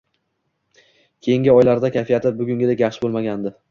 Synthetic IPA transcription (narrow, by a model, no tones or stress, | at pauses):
kʲʰe̞jɪŋɡʲɪɒjlaɾd̪akʲʰafijat̪ʰɪbʊɡʲʊŋɡʲɪd̪ekʲjaχʃɪ̥bolˠmaɡʲand̪ɪ